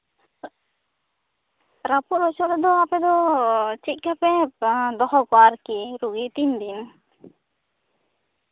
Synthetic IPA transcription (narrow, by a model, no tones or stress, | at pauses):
ɾapɔɾɔsɔʔɾɛd̪ɔapɛd̪ɔt͡ʃit̪̚kapɛd̪ɔɦɔɡɔaɾkiɾuɡit̪ind̪in